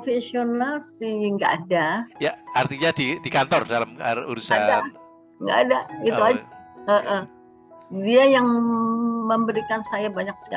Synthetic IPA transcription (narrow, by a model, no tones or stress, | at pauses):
ofesionalsiŋɡa̰ʔːdajaart̪iɲadidikant̪ɔrdalamə̰ṵɾusada | ŋɡa̰ʔːdait̪uad͡ʒaəʔə | diajaŋ | məmbəɾikansajabaɲak̚sə̥ka